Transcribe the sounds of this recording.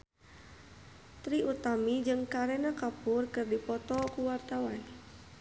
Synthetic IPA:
t̪ɾiʔut̪amid͡ʒɨŋkaɾɛnakapʊrkərdipɔt̪ɔkuwart̪awan

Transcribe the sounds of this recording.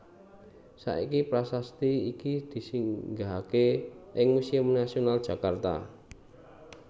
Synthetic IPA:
sa̰ʔikipɾasast̪iikid̪̥i̤siŋɡaɦakeʔɪŋmusiamnasionald̥ʒ̥ä̤kart̪a̰

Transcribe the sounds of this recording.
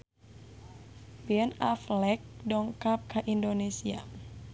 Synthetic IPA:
biɛnaflɛk̚dɔŋkap̚kaʔindonesia

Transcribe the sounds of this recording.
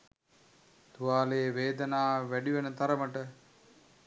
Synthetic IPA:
t̪uʋaːleːʋeːd̪ənaːʋæɖiʋenət̪aɾəməʈə

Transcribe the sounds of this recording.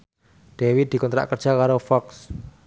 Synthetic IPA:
ɖ̪̥ewid̪̥i̤kɔnt̪ɾa̰ʔkərd̥ʒ̥a̤kaɾofɔks

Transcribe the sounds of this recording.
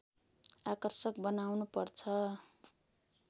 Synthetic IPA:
akʌrsʌk̚bʌnawnupʌrt͡sʰʌ

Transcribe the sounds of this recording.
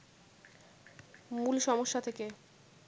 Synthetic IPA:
mulʃɔmoʃːat̪ʰeke

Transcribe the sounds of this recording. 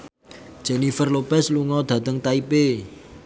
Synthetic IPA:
d̥ʒ̥ɛnifərlopɛsluŋɔd̪̥ä̤t̪əŋt̪aipe

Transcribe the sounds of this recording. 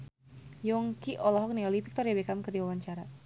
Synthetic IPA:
jɔŋkiʔɔlɔɦɔk̚niɔlipik̚t̪ɔrjabekamkərdiwawaɲt͡ʃaɾa

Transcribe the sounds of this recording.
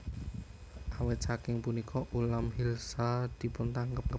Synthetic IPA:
ʔawet̪sakɪŋpunikʰɔʔulamhilsad̪̥i̤pʊnt̪aŋkəp̚kə

